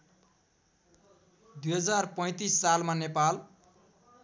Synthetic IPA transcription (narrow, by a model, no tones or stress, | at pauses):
d̪ujɦʌd͡zarpʌ̃j̃t̪isːalmanepal